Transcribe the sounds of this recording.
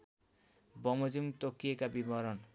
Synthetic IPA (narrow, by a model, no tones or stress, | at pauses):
bɔmod͡ʑimt̪okːiekabibɔɾɔn